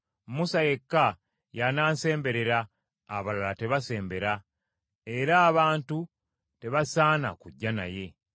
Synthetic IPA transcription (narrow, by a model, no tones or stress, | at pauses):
musaje̞kːa | janaːnse̞ːmbe̞ɾe̞ɾa̰ː | βalalate̞βase̞ːmbe̞ɾa | e̞ɾaːβaːntu | te̞βasaːna̰kuɟːana̰je̞